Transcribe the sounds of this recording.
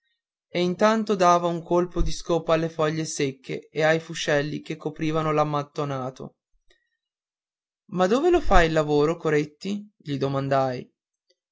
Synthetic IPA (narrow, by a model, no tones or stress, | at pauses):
eint̪ant̪od̪aːvauŋkʰolpod̪iskoːpaalːefɔʎːesekːḛeajfut͡ʃɛlːikekːopɾiːvanolamːat̪ːonaːt̪o̰ | mad̪oːvelofajlːavoːɾokoɾet̪ːiʎid̪omand̪aj